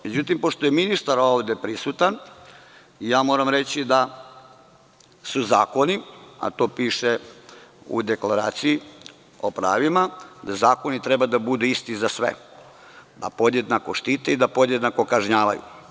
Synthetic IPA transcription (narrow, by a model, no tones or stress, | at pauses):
me̞d͡ʑut̪impo̞ʃt̪ojeminist̪aɾo̞ʋd̪e̞pɾisut̪an | ijaːmo̞ːɾamɾe̞t͡ɕid̪a | suza̰ːko̞nia̰t̪o̞ːpiːʃe | ṵd̪e̞klaɾa̰ːt̪siji | o̞pɾa̰ːʋimad̪azaːko̞nit̪ɾebad̪abud̪uist̪izasʋḛ | d̪a̰po̞d̪je̞d̪nako̞ʃt̪iːt̪eid̪apo̞d̪je̞d̪nako̞kaʒɲaːʋa̰jṵ